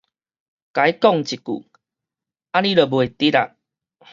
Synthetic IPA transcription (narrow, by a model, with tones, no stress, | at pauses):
ka˨˦i˦kɔ˥˨ŋt͡ɕi˨kṵ˨˩ | a˦nĩ˦lə˨˩bwe˨t̪i˦a˧